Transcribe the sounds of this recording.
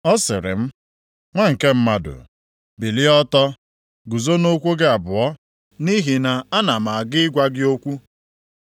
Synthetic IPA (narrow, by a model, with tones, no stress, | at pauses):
ɔ˦sɪ̰˨ɾɪ̰˨m̩˦ | ŋʷa˦ŋ̩˨ke˦m̩˦ma˦dʊ̰˨ | bi˨li˦ɔ˦tɔ˦ | ɡu˨zo˦no˦kʷu˦ɡe˦a˨bʊ˨ɔ˦ | ni˦ɦi˨na˨a˦na˨ma˨a˨ɡɪ˦ɡʷa˦ɡɪ˦o˦kʷu˦